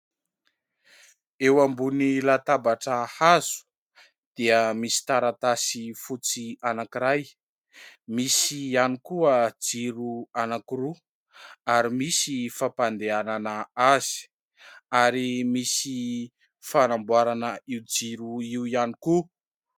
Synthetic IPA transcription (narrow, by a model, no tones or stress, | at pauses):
ewambunilat̪abaʈ͡ʂəhaz̥u̥ | d̪̥iəmisi̥t̪aɾat̪asifut͡sianakiɾaj | misianikuəd͡ziɾuanakiɾu | aɾimisifapand̪eananəaz̥i̥ | aɾimisi | fanambwaɾanəiwd͡ziɾuiwjaniku